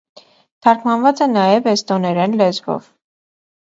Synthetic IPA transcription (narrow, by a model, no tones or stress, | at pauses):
t̪ʰɑɾkʰmɑnvɑt͡sɛnɑjɛvɛst̪ɔnɛɾɛnlɛzvɔ̰v